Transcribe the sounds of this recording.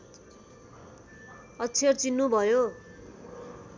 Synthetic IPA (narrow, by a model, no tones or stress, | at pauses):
ʌt͡sʰert͡sinːubʱʌjo